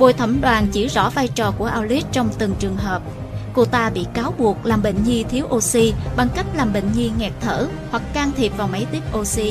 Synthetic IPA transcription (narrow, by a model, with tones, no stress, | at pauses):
ɓo̰˧˨jt̪ʰə˧˩mɗwaː˨˩nt͡ɕḭ˧˩zɔ̰˧˥vaː˧jt͡ɕɔ˨˩ku˧˩əʔaː˧wli˦˥t̚t͡ɕɔ˧wŋ͡mt̪ɨ˨˩ŋt͡ɕɨ˨˩əŋɦəː˨˩p̚ | ko˧t̪aː˧ɓḭ˧˨kaː˨˦wɓu˨˩ək̚laː˨˩mɓə̰˧˨ŋ̟ɲi˧t̪ʰi˨˦əwʔo˧si˧ɓa˧ŋka˦˥jk̟̚laː˨˩mɓə̰˧˨ŋ̟ɲi˧ŋɛ˨˩k̚t̪ʰəː˧˩ | hwa˨˩k̚ːaː˧ŋt̪ʰi˨˩p̚vaː˨˩wmə˨˦jt̪i˦˥əp̚ʔo˧si˧